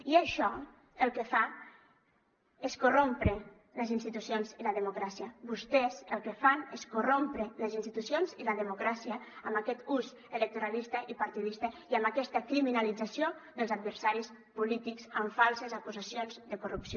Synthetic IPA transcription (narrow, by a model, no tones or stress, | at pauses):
iaʃɔ | əlˠkəfa | eskurompɾe | ləzinst̪it̪usjonziləðəmukɾasiəbust̪ɛzəlˠkəfaneskurompɾeləzinst̪it̪usjonziləðəmukɾasiəːmbakɛt̪uz | ələk̚t̪uɾalist̪əʔipaɾt̪iðist̪əiəmbakɛst̪əkɾiminalid͡zasjod̪əlˠzad̪̚βəɾsaɾis | pulit̪ikzaɱfalˠsəzakuzasionzd̪əkurupsio